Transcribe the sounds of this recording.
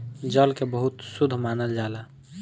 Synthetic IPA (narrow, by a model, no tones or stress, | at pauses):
d͡ʒəlkebəɦut̪sud̪ʱmanəld͡ʒala